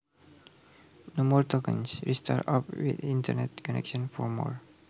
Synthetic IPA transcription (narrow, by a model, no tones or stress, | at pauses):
nomɔɹtɔkə̃nsɹista̰tapwḭðĩntə̰nɛtkɔnɛ̰kʃɔ̃nfɔɹmɔ̰ɹ